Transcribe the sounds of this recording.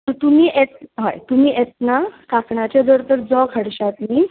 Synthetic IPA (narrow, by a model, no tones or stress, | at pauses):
t̪əɾt̪umiːʔet̪̚ɦajt̪umiːʔet̪̚nakakɳat͡ɕad̪əɾt̪əɾd͡zɔkʰəɽɕat̪ni